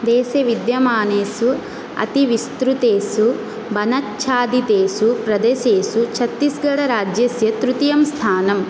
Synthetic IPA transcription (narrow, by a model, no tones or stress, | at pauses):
d̪ɛːseʋid̪jɐmaːneːsu | ɐ̰t̪iʋist̪ɾut̪eːsu | bɐnɐtːt͡ʃʰaːd̪it̪eːsupɾɐd̪eseːsut͡ʃʰɐt̪ːisɡɐɽɐɾaːd͡ʒjɐsjɐt̪ɾut̪ijɐmst̪ʰaːnɐm